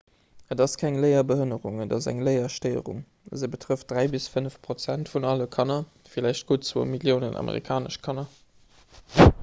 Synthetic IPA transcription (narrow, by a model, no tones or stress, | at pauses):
ədɑskʰæŋləɪɐbəhənəʁuŋədɑzæ̰ŋləɪɐʃtəɪə̰ʁṵŋ | zəbətʰʁəft̚d̥ʁæɪbisfənəfpʁ̥ot͡sæntfunɑləkʰɑnɐ | filæɪʃt̚ɡ̥oːt͡svo̰ːmiljəʊnənʔɑ̰mʔə̰ʁḭkʰaːnə̰ʃkʰɑnɐ